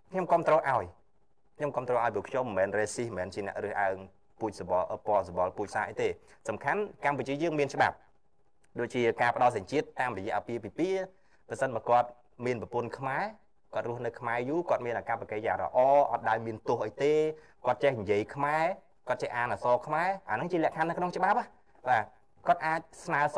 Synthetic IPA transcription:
kʰɲomkŏəmt̪roːʔaɔj | kʰɲomkoəmt̪roːʔaɔjp̬uəkʰɲomːɛːnreːsihmɛːnt͡ɕiənɛ̆əʔrɨəhʔa̰əŋ | puːc̚soɓɑʔpŏəlsoɓɑlpuːc̚saːʔəjt̪eːsɑmkʰankamput͡ɕiəjəːŋmiənt͡ɕə̆ɓa̰p̚ | ɗoːc̚t͡ɕiəkaːpə̆ɗɑlsaɲt͡ɕiət̪ːaːmrɔjɛ̆əʔpiəpiːpiə | prɑsənɓaːəkŏət̪̚ | miənprəpʊnkʰmaɛ | kŏət̪̚ruəhnɨwkʰmaɛjuːkŏət̪̚miənʔakapːakejaːŋrə̰ʔɑːʔɑ̰t̪̚ɗaɔjmiənt̪ʊ̆əhʔəjt̪eː | kŏət̪̚t͡ɕehɲjiəjkʰmaɛ | koət̪̚t͡ɕɛʔaːnasɑːkʰmaɛʔanɨŋt͡ɕiəlɛ̆əʔkʰanːɨkʰnoŋt͡ɕə̆ɓap̚ʔah | ɓaː | kŏət̪̚ʔaːc̚snaəs

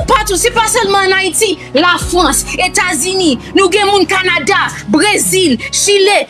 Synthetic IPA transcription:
pat̪usepasœlmɑ̃ːnaitilafʁʌ̃set̪azyninũɡɛ̃mũnkanadabʁezilʃile

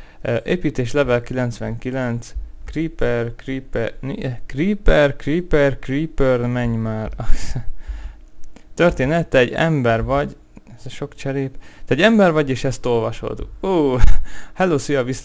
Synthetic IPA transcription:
ʔeːpiːt̪eːʃlɛvɛlkilɛnt̪sʋɛŋkilɛnt̪skripɛrkripɛnkriːpɛrkriːpɛrkriːpørnmɛɲmaːrɒs | t̪ørt̪eːnɛt̪ːɛɛɟːɛ̰mbɛrvɒɟ | ɛzʃo̞kt͡ʃɛɾeːbt̪ɛɟɛmbɛrvɒɟeːʃɛst̪o̞lvɒʃo̞̰d̪uː | hɛloːsyjɒvis

